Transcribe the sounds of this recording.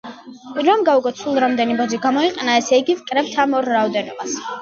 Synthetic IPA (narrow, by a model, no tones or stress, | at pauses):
ɾɔmɡauɡɔt̪sʰulˠɾamd̪ɛnibɔziɡamɔiqʼɛnaɛsɛiɡivkʼɾɛb̚t̪ʰamɔɾːaɔd̪ɛnɔbas